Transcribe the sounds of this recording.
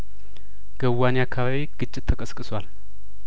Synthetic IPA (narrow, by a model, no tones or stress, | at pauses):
ɡ̥əwːaniakʰːaβaβiɡ̥ɨt͡ʃʼːɪt̪ʰːəkʼəskʼɨswal